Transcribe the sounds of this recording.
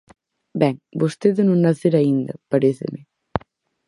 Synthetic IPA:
bɛŋbost̪eðnũŋnaθeɾaind̪ɐpaɾeθḛme

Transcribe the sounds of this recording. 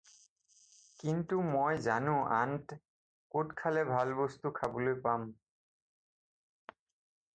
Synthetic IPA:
kint̪umojzanũʔa̰nt | koʈkʰalebʱalbɔst̪ukʰabolojpam

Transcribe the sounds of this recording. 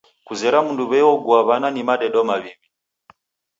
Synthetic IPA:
kuzɛɾamunduβɛɔɡuaβananimaɗɛɗɔmaβiβi

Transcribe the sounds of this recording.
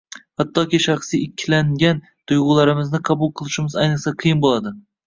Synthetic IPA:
hat̪ʰːɒkʲiʃɑχsijɪkʲʰːlaŋɡʲan | t̪ʊjʁʊlˠaɾɪmɪznɪqʰɑbʊlˠqʰɨlˠɪʃɪmɪzajnɨχqsaqʰɨjɪnbolˠad̪ɪ

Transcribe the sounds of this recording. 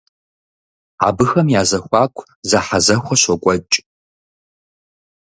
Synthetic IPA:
a̰ːbɨxɐmjaːzɐxʷɑːkʷʰ | zaħazɐxʷɔɕɔkʷʼɔt͡ʃʼ

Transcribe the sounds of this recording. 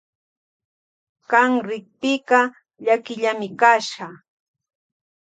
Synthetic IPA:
kɑŋɾɪk̚pɪkɑ | ʎakɪʎamɪkaʃɢɑ

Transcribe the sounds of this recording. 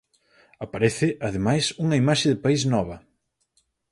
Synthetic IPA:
apaɾɛθɪʔaðɪmajsuŋɐimaʃɪðɪpaisnɔβɐ

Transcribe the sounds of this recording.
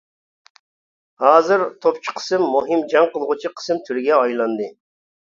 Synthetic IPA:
hɑːzɨɾt̪ʰopt͡ʃʰi̥qʰə̥sɨmːuɦɨmd͡ʒɑŋqʰəlˠʁut͡ʃʰiqʰə̥sɨmt̪ʰyɾɪɡʲɛɑjlˠɑnd̪ɨ

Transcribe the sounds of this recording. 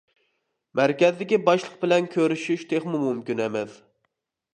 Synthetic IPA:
mæɾkʲɛzɪd̪ɪkʲibɑʃlˠəq̚bɪlɛnkʲʰøɾyʃyʃt̪ʰeχmumumkʲynɛmɪz

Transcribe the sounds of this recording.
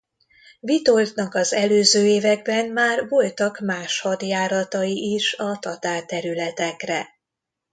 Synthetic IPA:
vit̪o̞lt̪nɒkɒzɛløːzøːeːvɛɡbɛnmaːrvo̞lt̪ɒkmaːʃhɒd̪jaːɾɒt̪ɒiʔiʃɒt̪ɒt̪aːrt̪ɛɾylɛt̪ɛkrɛ

